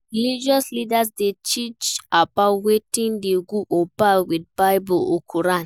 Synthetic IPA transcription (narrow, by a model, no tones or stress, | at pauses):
ɾilid͡ʒɔslidasdet͡ʃit͡ʃabawetĩndeɡuʔobawid̚baɪbɔokʰuɾan